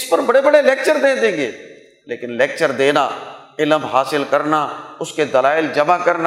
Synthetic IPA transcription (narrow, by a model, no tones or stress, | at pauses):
ɪspəɾbəɽebəɽelɛːk̚t͡ʃəɾd̪ẽːd̪ẽːŋɡeː | leːkɪnlɛːk̚t͡ʃəɾd̪eːnaː | ɪləmɦaːsɪlkəɾnaːʊsked̪əlaːɪld͡ʒɐmaːkəɾna